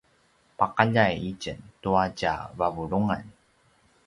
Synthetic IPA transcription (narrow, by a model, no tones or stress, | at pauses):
paqaʎajicəntuacavavuɭuŋa̰n